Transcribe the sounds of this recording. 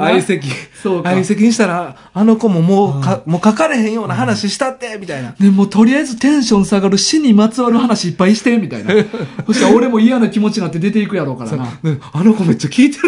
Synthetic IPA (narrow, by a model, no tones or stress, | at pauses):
aise̞kʲisoːkaise̞kʲiɲ̟iɕit̪aɾaː | no̞ko̞mo̞mo̞ːkamo̞ːkakaɾe̞hẽɰ̃jo̞ːnaɦanaɕiɕi̥t̪at̪ːe̞mʲit̪ainane̞mo̞ːt̪o̞ɾʲiaizɨt̪ẽ̞ɰ̃ɕõ̞ɰ̃saɡaɾɯ̟ɕiɲ̟imat͡sɨβaɾɯ̟hanaɕiːpːaiɕi̥t̪e̞mʲit̪a̰inamoɕikao̞ɾe̞mo̞ijanokʲimo̞t͡ɕinat̪ːe̞d̪e̞t̪e̞ikɯ̟jaɾo̞ːkaɾanaano̞ko̞me̞t͡ɕːakʲiːt̪e